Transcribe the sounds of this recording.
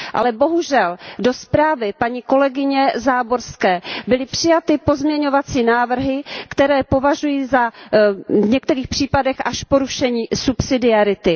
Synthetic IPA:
ʔa̰lɛbo̞ɦuʒɛldo̞spɾaːvɪpaɲiko̞lɛɡɪɲɛzaːbo̞ɾskɛːbɪlɪpr̥ɪjat̪ɪpo̞zmɲɛɲo̞vat͡siːnaːvr̩ɦɪkt̪ɛɾɛːpo̞vaʒujiːza | vɲɛk̚t̪ɛɾiːxpr̥iːpadɛxʔaʃpo̞ɾuʃɛɲiːsupsɪdɪaɾɪt̪ɪ

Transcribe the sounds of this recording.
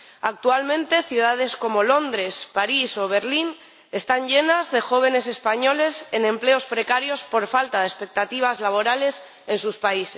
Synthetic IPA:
ak̚t̪ualmẽ̞nt̪e̞θjuð̞að̞e̞sko̞mo̞lo̞nd̪ɾe̞spaɾiso̞β̞e̞ɾlin | e̞st̪aɲʝe̞nazðe̞xo̞β̞e̞ne̞se̞spaɲo̞le̞se̞nẽ̞mple̞o̞spɾe̞kaɾjo̞spo̞ɾfalt̪aðespe̞k̚t̪at̪iβ̞azlaβ̞o̞ɾale̞s | e̞nsuspaises

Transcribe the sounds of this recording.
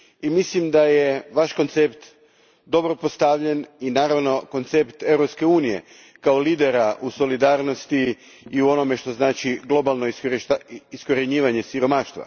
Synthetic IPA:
imislimd̪ajeʋaʃko̞nt̪sept̪ | d̪o̞bɾopost̪aʋʎe̞ninaːɾaʋno̞ko̞nt̪se̞pt̪e̞ʋɾopske̞uːnije̞̰ | kaoliːd̪e̞ɾaʔuso̞lid̪aːɾno̞st̪iː | uo̞no̞me̞ʃt̪o̞znaːt͡ʃiɡlˠo̞balˠno̞i | isko̞ɾe̞ɲiːʋaɲe̞siɾo̞maːʃt̪ʋa̰

